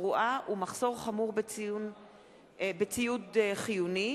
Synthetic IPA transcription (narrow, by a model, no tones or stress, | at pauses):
ʁuʔaʔumaχso̞ʁχamuʁbet͡siun | bet͡sijudeχijuni